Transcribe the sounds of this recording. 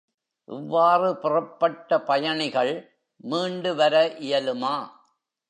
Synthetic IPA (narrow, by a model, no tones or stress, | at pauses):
ʔɪʋːaːrɯpɪrɐpːɐʈːɐpɐjɐɳɪɣɐɭ | miːɳɖɯʋɐɾɐʔɪjɐlɯmaː